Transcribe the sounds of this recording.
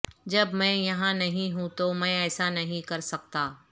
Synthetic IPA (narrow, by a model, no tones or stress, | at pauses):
d͡ʒɐbmɛ̃ːjɐɦãnɐɦĩɦũt̪omɛ̃ɛːsanɐɦĩkɐɾsɐk̚t̪aː